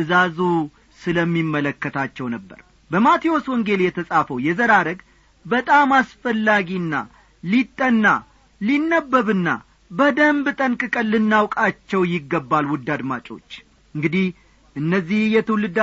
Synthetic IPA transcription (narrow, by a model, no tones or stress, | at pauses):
ʔɨzazu | sɨləmːimːələkːət̪ʰat͡ʃːɛwnəbːə̰ɾ | bəmat̪ʰio̞swɔŋɡe̞ljɛt̪ʰəsʼafəwjɛzəɾaɾəɡ | bət̪ʼamasfəlːaɡiɨnːa̰ | lit̪ʼːənːa | linːəbːəβɨnːa̰ | bəd̪əmbɨt̪ʼənkʼɨkʼəlːɨnːawkʼat͡ʃːɛwjɪɡːəbːalwʊd̪ːad̪ma̰t͡ʃʼo̞̰t͡ʃː | ɨŋɡɨd̪ih | ʔɨnːəzːihjɛt̪ʰɨwlɨd̪